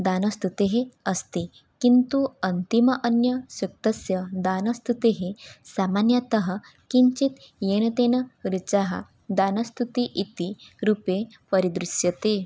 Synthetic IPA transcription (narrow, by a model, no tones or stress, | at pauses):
d̪anəst̪ut̪eɦeəst̪i | kint̪uənt̪iməʔənjəsuk̚t̪əsjəd̪anəst̪ut̪eɦesamanjət̪əɦə | kiɲt͡ɕit̪jenət̪enəɾit͡ɕaɦa̰ | d̪anəst̪ut̪iʔit̪iɾupe | pəɾid̪ɾusjət̪e